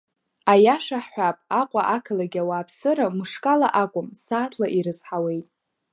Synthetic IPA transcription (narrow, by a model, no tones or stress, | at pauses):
ajaʂaħħʷapʼaqʷʼaʔakʰalaɡʲawaːpʰsɨɾamɨʂkʼalaʔakʷʼʊmsaːtʰlaʔiɾɨzħawe̞jtʼ